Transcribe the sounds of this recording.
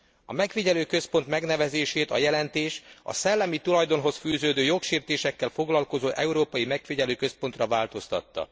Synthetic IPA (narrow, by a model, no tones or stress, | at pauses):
ɒmɛkfiɟɛløːkø̞spo̞nt̪mɛɡnɛvɛzeːʃeːt̪ɒjɛlɛnt̪eːʃɒ̰sɛlːɛmit̪ulɒjd̪o̞nɦo̞sfyːzøːd̪øːjo̞kʃeːrt̪eːʃɛkːɛlfo̞ɡlɒlko̞zoːʔɛuɾoːpɒjimɛkfiɟɛløːkø̞spo̞nt̪rɒvaːlt̪o̞st̪ɒ̰t̪ːɒ̰